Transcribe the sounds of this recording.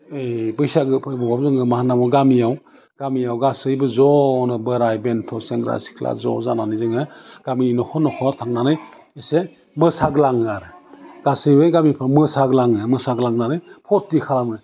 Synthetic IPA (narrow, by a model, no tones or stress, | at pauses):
ebɯjsaɡɯbɔwap̚zɯŋɯmahanamɔɡamijaw | ɡ̥amijawɡasɯjbɯzɔnɔbɯɾajbentʰɔseŋɡɾa̰si̥kʰla̰zɔ̰zananɯzɯŋɯɡ̥aminɔhɔnɔhɔtʰaŋnanɯj | ese | mɯsaɡlaŋɯaɾɯɡ̥asɯjbɯjɡamipʰamɯsaɡlaŋɯmɯsaɡlaŋnanɯjpʰɔtːikʰalamɯ